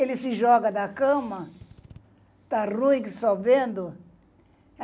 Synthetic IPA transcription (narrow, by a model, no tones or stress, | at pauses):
elɪsɪʒɔɡɐd̪ɐkɐ̃mɐ | t̪arũĩksobẽnd̪ʊ